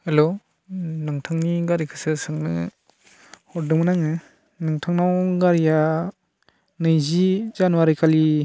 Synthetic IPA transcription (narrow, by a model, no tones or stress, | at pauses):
helo | nɯŋtʰaŋniɡaɾikʰɯsɯsɯŋnɯ̰ | hɔdɯmɯnaŋɯ | nɯŋtʰaŋnawɡaɾija | nɯjzizanuwaɾikʰali